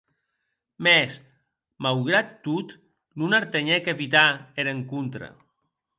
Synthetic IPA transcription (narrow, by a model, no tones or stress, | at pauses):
mɛs | mawɣɾat̪ːut̪ | nunaɾt̪eɲɛkeβit̪aeɾeŋkunt̪ɾa̰